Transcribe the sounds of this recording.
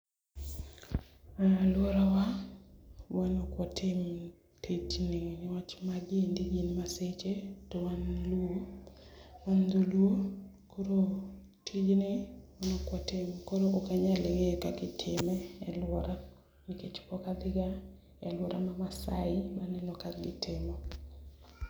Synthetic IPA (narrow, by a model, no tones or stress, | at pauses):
alwɔɾawa | wanokwɔtʰɪm | tʰetnɪnɪwat͡ʃmaɡendiinmaset͡ʃetowanluo | wand̪oluo | koɾo | tʰid͡ʒnɪwanokwatɪmkoɾoʔokaɲaleŋekaɡɪtʰɪmɛɛlwɔɾa | niket͡ʃkɔkad̪ɪɡa | ɛ̰lwɔɾamamasa̰ɪmanɛnɔkaɡɪtʰɪmɔ